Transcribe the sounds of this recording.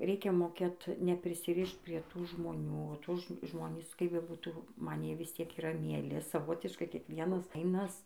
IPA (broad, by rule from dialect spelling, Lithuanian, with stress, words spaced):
ˈrʲɛɪkʲɛ moːˈkʲeːt nʲɛpʲrʲɪsʲɪˈrʲɪʃt pʲrʲiɛ ˈtuː ʒmoːˈnʲuː ˈtuː ˈʒmoːnʲiːs kɐɪp bʲɛˈbuːtuː ˈmɐn ˈjiɛ ˈʋʲɪs ˈtʲiɛk iːˈrɐ mʲiɛˈlʲɪ sɐˈʋoːtʲɪʃkɐɪ kʲiɛkˈʋʲiɛnɐs ˈfɐɪnɐs